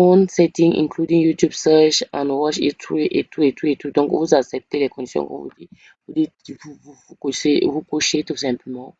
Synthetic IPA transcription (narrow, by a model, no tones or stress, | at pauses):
fɔ̃nsɛtĩŋḭ̃nkʰludĩŋjutjubsɛt͡ʃã̰nwɔt͡ʃḛtʰɹiʔetʰuetʰuetudɔ̃ŋkṵzasɛp̚telɛkɔ̃ndisjɔ̰̃ŋkɔ̰vṵdi | udiifuvufukoʃevukoʃetusɛ̃mpmɔ